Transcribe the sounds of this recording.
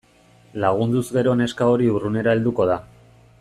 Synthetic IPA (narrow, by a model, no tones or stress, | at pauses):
laɣ̞und̪uzɣe̞ɾo̞ne̞skao̞ɾiurune̞ɾae̞ld̪uko̞ð̞a